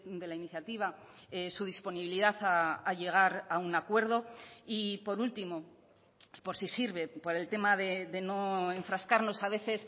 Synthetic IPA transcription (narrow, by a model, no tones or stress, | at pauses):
d̪e̞lainiθjat̪iβ̞a | esuð̞ispo̞niβiliðaθaaʎe̞ɣ̞aɾaunakwe̞ɾð̞o̞ipo̞ɾult̪imo̞ | po̞ɾsisiɾβe̞po̞ɾe̞lt̪e̞maðe̞ðe̞no̞e̞ɱfɾaskaɾno̞saβ̞e̞θe̞s